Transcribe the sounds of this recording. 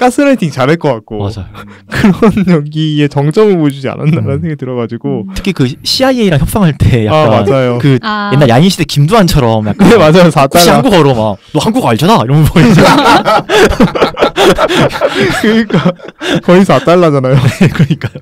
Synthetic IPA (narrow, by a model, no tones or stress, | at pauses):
k͈asʰɯɾatʰiŋt͡ɕaɾɦeɭk͈ʌk͈ak̚k͈omad͡ʑajo | kɯɾʌnjʌɡiet͡ɕʌŋt͡ɕ͈ʌmɯɭpod͡ʑud͡ʑia̰nandaɾannsʰeŋɡatɯɾʌɡad͡ʑiɡotʰɯ̥kʰikɯɕʰiaieiɾaŋçjʌp̚s͈aŋɦaɭt͈e̞ja̰akk͈amand͡ʑajokɯje̞nːaɭjainɕʰidekimduɦant͡ɕʰʌɾʌmjak͈anemad͡ʑajosʰatk͈aihaɡuɡʌɾʌmanohanɡuɡaɭd͡ʑanaiɾʌnopoiia | kɯɲik͈akʌisʰat͈aɭːad͡ʑanajonekɯɾʌɲik͈a